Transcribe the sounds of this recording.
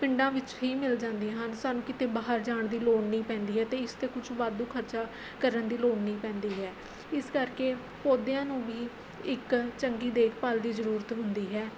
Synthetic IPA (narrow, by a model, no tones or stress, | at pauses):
pɪɳɖãːʋɪt͡ʃɦiːmɪld͡ʒãːnd̪iãːɦənsaːnũːkɪt̪eːbaːɦəɾd͡ʒaːɳd̪iːloːɳnĩːpɛ̃ːnd̪iːɦɛːt̪eːɪst̪eːkʊt͡ʃʰʋaːd̪ũːkʰəɾt͡ʃaː | kəɾənd̪iːloːɳnĩːpɛ̃ːnd̪iːɦɛː | ɪskəɾkeː | poːd̪ejãːnũːʋiː | ɪkt͡ʃəŋɡiːd̪eːkʰpəld̪iːzəɾuːɾət̪ɦʊnd̪iːɦɛː